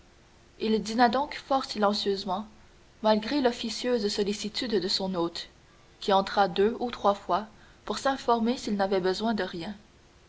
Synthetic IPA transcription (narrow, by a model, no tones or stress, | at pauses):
ild̪inad̪ɔ̃kfɔːʁsilɑ̃sjøzmɑ̃ | malɡʁelɔfisjøzsɔlisit̪yd̪ːəsɔ̃noːt̪ | kʲiɑ̃t̪χad̪øut̪χwafwa | puʁsɛ̃fɔʁmesilnavɛbəzwɛ̃d̪əʁjɛ̃